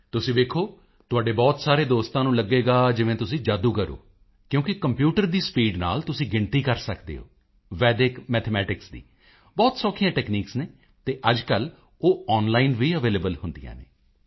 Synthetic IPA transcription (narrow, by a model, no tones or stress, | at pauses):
t̪ʊsĩːd̪eːkʰoː | t̪ʊaːɖeːbɔːt̪saːɾeːd̪oːst̪ãːnũːləɡːeːɡaːd͡ʒɪʋẽːt̪ʊsĩːd͡ʒaːd̪uːkəɾo̰ː | kjõːkɪkəmpjuːʈəɾd̪iːspiːɖna̰ːlt̪ʊsĩːɡɪɳt̪iːkəɾsəkd̪ḛːo̰ː | ʋɛːd̪ɪkmɛːt̪ʰmɛːʈɪksd̪ḭː | bɔːt̪sɔːkʰijãːʈɛːkniːksneː | t̪eːʔəd͡ʒkəl | oːɔːnlaːinʋiːəʋeːleːbəlhʊnd̪ḭjã̰ːnḛː